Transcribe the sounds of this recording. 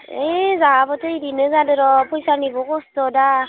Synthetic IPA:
ezabɔtʰɯiɾinɯzadɯɾɔpʰɔjsanibɔɡɔstɔda

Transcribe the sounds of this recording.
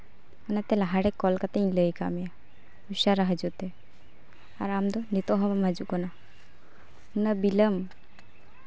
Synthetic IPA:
ənat̪elaɦaɽekːɔlkat̪ãləjkamia | uʃaɾaɦad͡ʒut̪e | a̰ɾamd̪ɔnit̪ɔɦɔβamad͡ʒukɔna | nəbiləm

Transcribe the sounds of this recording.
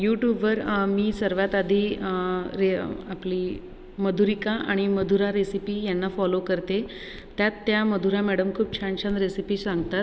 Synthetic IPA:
juʈjuːbʋəɾmiːsəɾʋat̪ad̪ʱiː | ɾeapliː | məd̪ʱuɾikaʔaɽ̃iməd̪ʱuɾaɾesipiːjanːafɔlokəɾt̪e | t̪jat̪ːjaməd̪ʱuɾãmɛɽəmkʰuːp̚t͡ɕʰanɕãnd̪ɾesipiːsãŋɡt̪at̪

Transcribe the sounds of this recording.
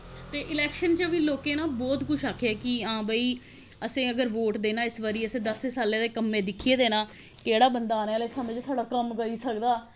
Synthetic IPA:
t̪eːʔɪlɛːkʃənt͡ʃəʋiːloːkẽːnãːbɔːt̪kʊt͡ʃʰaːkʰɛːkiãːbəːiː | əsẽːəɡəɾʋoːʈd̪eːnãːɪsʋəɾiːəsẽːd̪əseːsaːlẽːd̪eːkəmːẽːd̪ɪkʰːieːd̪eːnãː | keːɽaːbənd̪aːneːaːleːsəməd͡ʒsaːɖaːkəmkəɾiːsəkd̪aː

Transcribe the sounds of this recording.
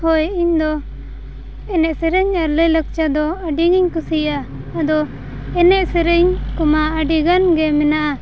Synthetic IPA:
hɔjiɲd̪ɔ | ɛnɛʔsɛɾəɲaɾləjlək̚t͡ʃad̪ɔaɖiɡiɲkusijaː | d̪ɔ | ɛnɛʔsɛɾɛɲkɔmaəɖiɡanɡɛmɛnaʔa

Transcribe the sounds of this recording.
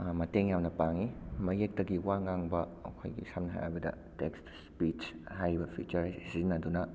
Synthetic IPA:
mɐteŋjamnɐpaŋimɐjek̚tɐɡiwaŋaŋbɐɐ̰kʰo̰jɡḭsamnɐɦa̰ja̰jbɐdɐ̰ | tekstspit͡ʃhajbɐpʰit͡ʃɐɾzinɐdunɐ

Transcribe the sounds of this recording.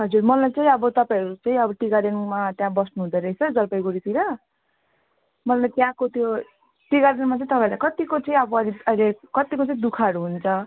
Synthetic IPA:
ɦʌd͡zurmʌlajt͡saĩʌbʌt̪ʌpãj̃ʌɾut͡sʌĩʌbʌʈiɡaɾenmat̪jãbʌsnuɦud̪eɾʌɦit͡sʰʌd͡zʌlpʌjɡoɾit̪iɾʌ | mʌlajt̪jãkot̪ʰjo | ʈiɡaɾenmat͡sʌĩt̪ʌpãlakʌt̪ikot͡sʌĩʌbʌʌd̪iʌjlekʌt̪ikot͡sʌĩd̪ukʰaʌɽuɦunt͡sʰʌ

